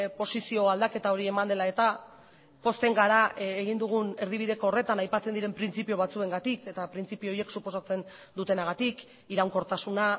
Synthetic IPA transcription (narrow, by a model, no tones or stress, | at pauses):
po̞sisio̞ald̪ake̞t̪ao̞ɾie̞mand̪e̞lae̞t̪a | po̞st̪e̞ŋɡaɾaeɣ̞ind̪uɣ̞une̞ɾðiβ̞ið̞e̞ko̞oːre̞t̪anajpat͡se̞nd̪iɾe̞mpɾint͡sipio̞β̞at͡sue̞ŋɡat̪ike̞t̪apɾint͡sipioje̞ksupo̞sat͡se̞n | d̪ut̪e̞naɣ̞at̪ik | iɾawŋko̞ɾt̪asuna